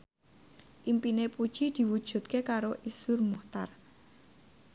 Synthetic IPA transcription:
ʔimpinepud̥ʒ̥i̤d̪̥i̤wud̥ʒ̥ṳt̪̚kekaɾoʔisʊrmuht̪a̰r

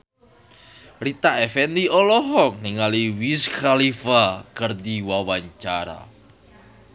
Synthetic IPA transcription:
rit̪aɛfɛnd̪iɔlɔɦɔk̚niŋaliwiskalifakərd̪iwawaɲt͡ʃaɾa̰

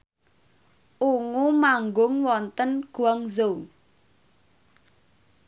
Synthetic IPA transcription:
ʔuŋumaŋɡʊŋwɔnt̪ənɡ̥uaŋzow

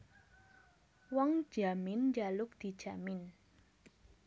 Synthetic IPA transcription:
wɔŋ̥ʒ̥amɪnd͡ʒalʊk̚d̪̥i̤d̥ʒ̥a̤mɪn

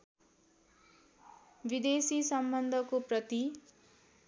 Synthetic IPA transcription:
bid̪esisʌmbʌnd̪ʱʌkoprʌt̪i

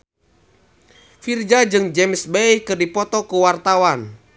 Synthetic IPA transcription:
fird͡ʒad͡ʒɨŋd͡ʒɛmsbɛjkɨrdipɔt̪ɔkuwart̪awan

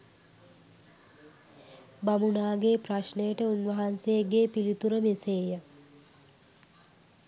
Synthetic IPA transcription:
bamunaːɡeːpraʃnəjəʈəunʋɐɦansejəɡeːpilit̪uɾəmeseːjə

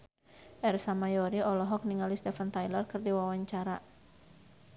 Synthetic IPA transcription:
ʔɛrsamajɔɾiɔlɔɦɔk̚niŋalist̪ɛfant̪ajlarkɨrdiwawaɲt͡ʃaɾa

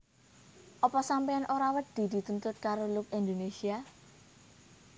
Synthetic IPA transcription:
ʔɔpɔsampeanʔoɾawəd̪̥i̤d̪i̤t̪unt̪ʊt̪̚kaɾolʊk̚end̪onesia

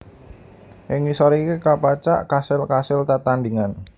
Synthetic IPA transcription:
ʔɪŋnisɔɾikekapat͡ʃa̰ʔkasɪlkasɪlt̪at̪and̪iŋan

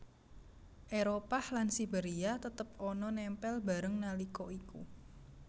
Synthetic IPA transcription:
ʔeɾopahlansibeɾiat̪ət̪əp̚ɔnɔnɛmpɛlba̤ɾəŋnalikɔikṵ

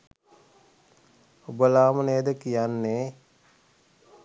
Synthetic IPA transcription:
obəlaːməneːd̪əkijanːe

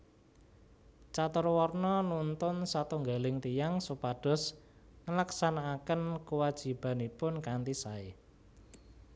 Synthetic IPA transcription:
t͡ʃat̪ʊrwɔrnɔnunt̪ʊnsat̪uŋɡalɪŋt̪ijaŋsupaɖ̥ɔ̤sŋəlaksanaːkənkəwad̥ʒ̥i̤b̥a̤nipʊnkant̪isae

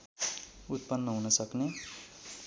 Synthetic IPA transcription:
ut̪̚pʌnːʌɦunʌsʌkne

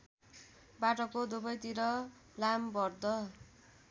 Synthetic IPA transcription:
baʈʌkod̪ubʌjt̪iɾʌ | lambʌrd̪ʌ

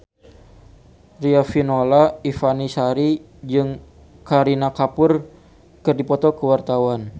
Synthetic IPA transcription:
riafinolaifanisaɾi | d͡ʒɨŋ | kaɾinakapʊr | kɨrdipɔt̪ɔkəwart̪awan

